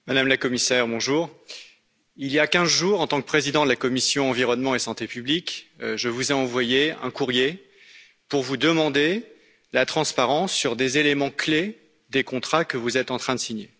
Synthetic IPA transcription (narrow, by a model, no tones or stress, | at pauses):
mad̪amlakɔmisɛʁbɔ̃ʒuːʁ | iljakʲɛ̃zʒuːʁɑ̃t̪ɑ̃k̚pχezid̪ɑ̃d̪əlakɔmisjɔ̃ɑ̃viʁɔnmɑ̃esɑ̃t̪epyblikʒəvuzɛɑ̃vwajeɛ̰̃kuʁje | puʁvud̪əmɑ̃d̪e | lat̪χɑ̃spaʁɑ̃sːyʁd̪ezelemɑ̃kle | d̪ekɔ̃t̪χakəvuzɛt̪ɑ̃t̪χɛ̃d̪əsiɲe